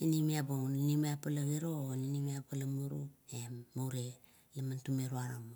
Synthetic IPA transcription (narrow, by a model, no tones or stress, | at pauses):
inimiaboŋninimiapalaɡiɾoninimiapalamuɾuemːawɾe | lamantumeɾuaɾama